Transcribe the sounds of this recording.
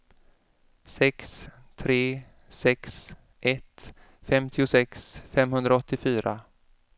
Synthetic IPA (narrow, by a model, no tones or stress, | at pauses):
sɛkst̪ʰɾeː | sɛks | ʔɛt̪ | fɛmt̪ʰɪʊsɛksfɛmɦɵnd̪ɾaɔt̪ːɪfyːɾʔa